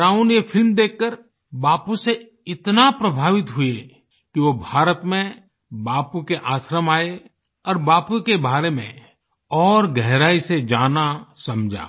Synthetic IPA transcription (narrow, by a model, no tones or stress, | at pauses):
ɾaːunjepʰɪlmd̪eːkʰːəɾ | baːpuse | ɪt̪napɾəbʱaːʋɪt̪ɦʊi | kiʋobʱaːɾət̪mẽ | baːpukeʔaːsɾəmaːe | ɔːɾbaːpukebaːɾemḛ̃ | ɔːɾɡɛɦɾaːised͡ʒaːnasɐmd͡ʒʱa̰ː